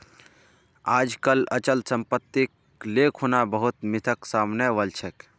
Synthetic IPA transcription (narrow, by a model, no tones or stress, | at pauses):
aːd͡ʒkələt͡ʃəlsə̃mpət̪ːik | leːkʰonabəɦʊt̪mɪt̪ʰəksaːmneʋəlt͡ʃʰək